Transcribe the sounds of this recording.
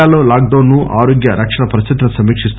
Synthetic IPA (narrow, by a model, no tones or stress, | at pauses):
aːloːlaːk̚ɖ̪ɐːnːuʔa̰ːɾoːɡjɐɾʔɐkʂɐɳɐpɐɾɐsit̪ɐnɐsɐmiːkʂist̪